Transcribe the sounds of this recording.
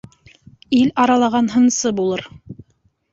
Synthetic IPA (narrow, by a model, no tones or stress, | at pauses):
ilɑɾɑlˠɑʁɑnɦɤ̆nsɤbulˠɤɾ